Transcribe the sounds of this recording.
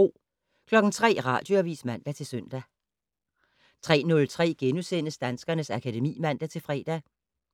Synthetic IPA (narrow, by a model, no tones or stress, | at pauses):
o̝̰ | kʰlɒ̽ɡ̥n̩t͡sʰʁɛ̰ːʁɑ̰̈ːd̥joæʋḭːsmæn̰d̥æt͡sʰe̝lsøn̰d̥æ | t͡sʰʁɛ̰ːnɔ̽lt͡sʰʁɛ̰ːɡ̥enusen̰əsd̥ænsɡ̥ɐnəsækʰæd̥e̝mḭːmæn̰d̥æt͡sʰe̝lfʁɛːd̥æ